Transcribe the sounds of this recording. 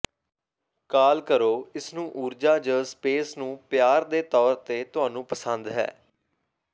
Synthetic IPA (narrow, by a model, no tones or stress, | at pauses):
kaːlkəɾoːɪsnũːʔuːɾd͡ʒaːd͡ʒəːspeːsnũːpjaːɾd̪eːt̪ɔːɾt̪eːt̪ʊɦaːnũːpəsənd̪ɦɛ̰ː